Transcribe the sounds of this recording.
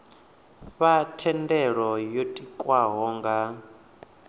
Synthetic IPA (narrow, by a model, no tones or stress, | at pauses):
βatʰɛndɛɺɔjotʼikʼwaɦɔːŋɡa